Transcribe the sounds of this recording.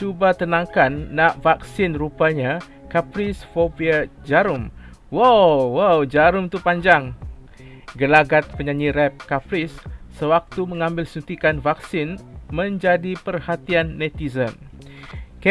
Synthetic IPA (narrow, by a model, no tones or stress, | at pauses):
t͡ʃubat̪ənãŋkanːãʔvaksɪnrupaɲa | kapɾisfopiad͡ʒaɾʊm | wawawd͡ʒaɾumt̪upaɲd͡ʒaŋ | ɡəlaɡat̪̚pəɲãɲiɾɛp̚kapɾisːəwak̚t̪umə̃ŋãmbɪlsunt̪ikanvak̚sɪnmə̃ɲd͡ʒadipərhat̪ianːɛ̃t̪izən | k